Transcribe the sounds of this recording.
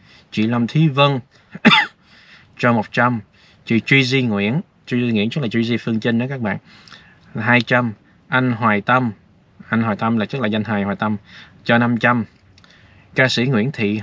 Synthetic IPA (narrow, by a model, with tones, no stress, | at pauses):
t͡ɕḭ˧˨˩la˧mt̪ʰi˨˦və˧n | t͡ɕɔ˧mo˨˩t̚t͡ɕa˧m | t͡ɕi˧˨˩t͡ɕwi˧zi˧ŋwḭ˧˥˨ən | t͡ɕwi˧zi˧ŋwḭ˧˥ənt͡ɕə˦˥laː˨˩t͡ɕwi˧zi˧fɨ˧əŋt͡ɕə˧nɗəː˨˦kaː˦˥k̚ɓa̰ː˧˨n | a˨˩ɦaː˧jt͡ɕa˧m | ʔa˧jŋ̟ɦwaː˨˩jt̪ə˧m | ʔa˧jŋ̟ɦwaː˨˩t̪ə˧mlaː˨˩t͡ɕə˦˥t̚laː˨˩za˧jŋ̟ɦaː˨˩jhwaː˨˩jt̪ə˧mt͡ɕɔ˧na˧mt͡ɕa˧m | kaː˧sḭ˧˥ŋwḭ˧˥ənt̪ʰḭ˧˨